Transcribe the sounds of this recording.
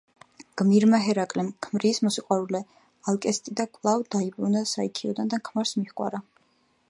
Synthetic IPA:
ɡ̥miɾmaɦɛɾakʼlɛmkʰmɾiːsmɔsiqʼwaɾulɛ | alˠkʼɛst̪ʼid̪akʼlˠavd̪aibɾunasaikʰiɔd̪and̪akʰmaɾsmiχkʼwa̰ɾa

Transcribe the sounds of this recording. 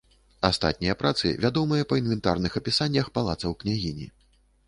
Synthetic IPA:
ast̪a̰t̪̚ʲnʲijɐpɾat̪sɨ̰vʲad̪ɔmɨjɐpɐinvʲɛnt̪a̰rnɨxɐpʲisanʲːɐxpalˠa̰t̪sɐwknʲaɣʲinʲḭ

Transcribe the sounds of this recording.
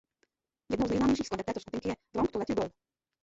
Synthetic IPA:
jɛd̪nowzɲɛjznaːmɲɛjʃ̬iːxskɔd̪ɛpt̪ɛːt̪ɔʃt̪up̪iŋkɪjɛd̪ɾɔŋkt̪ɔlɛt̪ibɔl

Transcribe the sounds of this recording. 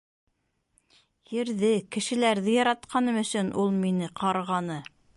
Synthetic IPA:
jɘ̆ɾðɘkɘ̆ʃɘ̆læɾðɘjɑɾɑt̪̚qʰɑnɤmɵ̆sɵnʔulˠminɘqɑɾʁɑnɤ

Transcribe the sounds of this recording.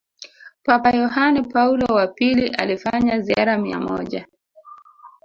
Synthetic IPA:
papajɔhanipaulɔwapiliʔa̰lifaɲaziaɾamia̰mɔ̰ʄa

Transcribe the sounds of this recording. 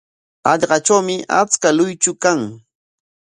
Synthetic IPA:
ɑʎɢɑt͡ʃawmɪʔa̰t͡skalʊjt͡ʃʊkaŋ

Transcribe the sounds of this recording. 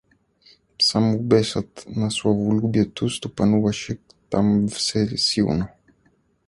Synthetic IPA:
samubɛsat̪nɐsuavolubiɛt̪ust̪upɐnuvɐʃik | t̪amvsɛɾsiw̰no

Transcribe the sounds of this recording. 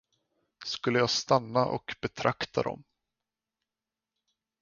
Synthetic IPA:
skɵlːəjɑːɡst̪anːaʔɔkbɛt̪ʰɾakt̪ʰad̪ɔ̰m

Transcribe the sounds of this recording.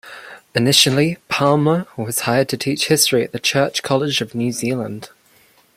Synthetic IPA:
ɪnɪʃəlˠipʰɑlˠməwɒz̥haɪəd̚tʰətʰiˑt͡ʃhɪstɹ̥iə̰ʔðət͡ʃʰɜˑt͡ʃkʰɒlɪd͡ʒəvnjʉːziːlə̃nd̥

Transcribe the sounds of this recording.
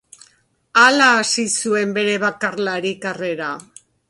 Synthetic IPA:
alaːsisue̞mbe̞ɾe̞βakarlaɾikare̞ɾa

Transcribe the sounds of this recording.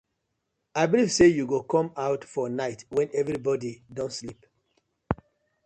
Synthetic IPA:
aɪbiliv̥sejuɡokʰɔ̃maʊtfɔnaɪtwɛ̃nɛvɹibɔdidɔ̃ntslip

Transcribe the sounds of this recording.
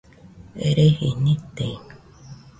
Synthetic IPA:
ḛɾehinĩt̪e

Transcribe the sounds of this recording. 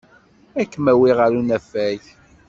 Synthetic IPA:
ækːəmæwiʁəɾunæfæj

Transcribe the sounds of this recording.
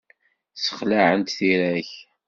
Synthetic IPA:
sə̥χlaʕənt̪θiɾæç

